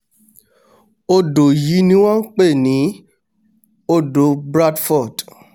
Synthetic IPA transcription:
o˧do˨ji˨˦nĩ˧w̃ɔ̃˦k͡pe˦˨nĩ˨˦ | o˦do˨˦bɾa˦dfɔ˦˨d

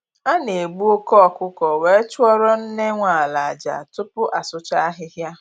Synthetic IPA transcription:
a˦ne˨ɡ͡bu˦o˦kɔ˦˨kʊ˦kɔ˨we˨˦t͡ʃʊ˦ɔ˦ɾɔ˦n̩˦ne˦ŋʷa˨a˨la˨a˨d͡ʒa̰˨tʊ˦pʊ˦ʔa˨sʊ˦t͡ʃa˦a˦ɦɪ˦ɦja˦

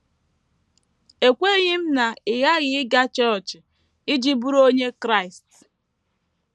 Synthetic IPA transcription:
e˨kʷe˦ɣɪ˦m̩˦na˨ɪ˨ɣa˦ɣɪ˨ɪ˦ɡa˦t͡ʃɔ˦ɾt͡ʃɪ˨ | ɪ˦d͡ʒi˦bu˦ɾo˦ɲe˦kɾa˦ɪ˨st

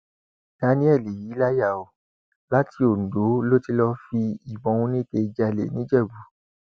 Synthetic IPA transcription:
d̥a˧˦nĩ˦ɛ˦˨le˨ji˨˦la˦ja˦˨o˨ | la˦tʰi˧o˨n̩˨do˨˦lo˦ti˧lɔ˧fi˧i˨bɔ̃˨˦˧ũ˧˦nĩ˦te˧d͡ʒa˧˨lḛ˨nĩ˨˦d͡ʒɛ˦˨bu˨˦

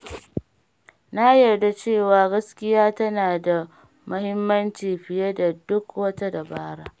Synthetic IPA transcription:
na˦jɐ˨rda˦t͡ʃeː˦˨waː˨ɡɐ˦skʲɪ˦jaː˦tɐ˦naː˨da˨ | mʊ˦hɪ˦mːɐ˦nt͡ʃiː˨ɸɪ˨je˦da˨dʊ˦kwɐ˦ta˦da˨baː˦ɽaː˦

